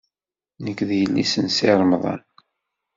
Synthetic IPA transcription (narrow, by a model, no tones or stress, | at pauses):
nəkːðjəlːḭsənsiɾˤmðˤɑ̰n